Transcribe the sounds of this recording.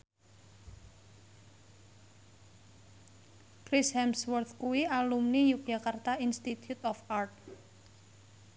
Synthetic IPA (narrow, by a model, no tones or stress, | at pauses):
kɾishɛmswɔrt̪kuwialumnijuk̚d͡ʒakart̪ainst̪it̪ʰjut̪ɔfart̪̚